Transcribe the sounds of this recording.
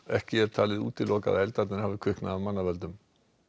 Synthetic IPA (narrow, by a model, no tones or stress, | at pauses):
ɛhcɪɛɾ̥t̪ʰaːlɪðṵːt̪ɪlːɔːka̰ðaɛlt̪at̪nɪnhavɪkʰʏhknaðavmanːavɛlt̪ʏm